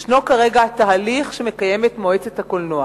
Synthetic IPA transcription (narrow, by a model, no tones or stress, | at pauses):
ʃno̞kaʁe̞ɡaataɦaliχʃeme̞kaje̞me̞tmo̞et͡sethakolnoa